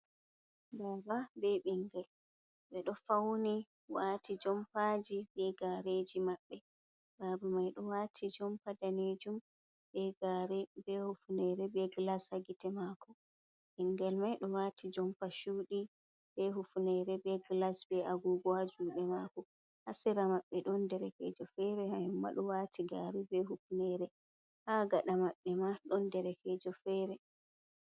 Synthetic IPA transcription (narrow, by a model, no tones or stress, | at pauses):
bababɛɓiŋɡɛl | ɓɛɗɔfawni | waːtid͡ʒɔmpad͡ʒibɛɡaɾed͡ʒimaɓːɛ | babumajɗɔwatʰid͡ʒɔmpadaned͡ʒum | bɛɡɾbɛhufunɛɾɛbɛɡlashaɡitɛmaːkɔ | ʔɛŋɡɛlmajɗɔwatʰid͡ʒɔmpaʃuːɗi | bɛɦufunɛɾɛbɛɡlasbɛʔaɡuɡɔad͡ʒuɗɛmakɔ | hasiɾamaɓːɛɗɔndɛɾɛkɛ̰d͡ʒɔfɛɾɛhajɛmːa̰ɗɔwatʰiɡaɾibɛhufunɛɾɛ | haːɡaɗamaɓːɛmaɗɔndɛɾɛkɛd͡ʒɔfɛːɾɛ